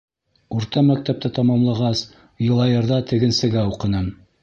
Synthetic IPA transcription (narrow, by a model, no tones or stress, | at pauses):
uɾt̪ɑmæk̚t̪æp̚t̪ɘt̪ɑmɑmlˠɑʁɑs | jɤ̆lˠɑjɤ̆ɾðɑt̪ɘ̆ɡɘ̆nsɘ̆ɡæuqɤ̆nɤm